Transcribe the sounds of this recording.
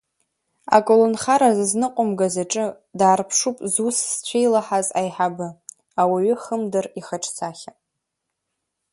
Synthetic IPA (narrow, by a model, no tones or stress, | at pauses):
a̰kʼolonχaɾazɨznɨqʷʼʊmɡazaʈ͡ʂʼɨ | daːrpʰʂupʼzusst͡ɕʷʰejlaħazajħabɨ | awiɥʏχəmdɨriχaʈ͡ʂʰʼt͡sʰaχʲa